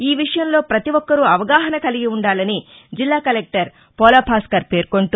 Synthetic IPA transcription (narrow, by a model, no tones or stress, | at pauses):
iːʋiʂɐjɐmlo̞ːpɾɐt̪iʋɔkːɐɾuɐʋɐɡaːɦɐnɐkɐliɡiuɳɖaːlɐni | d͡ʒilːaːkɐlek̚ʈɐɾ | pɔːlɐːpʰaːskɐɾpe̞ːɾkoɳʈu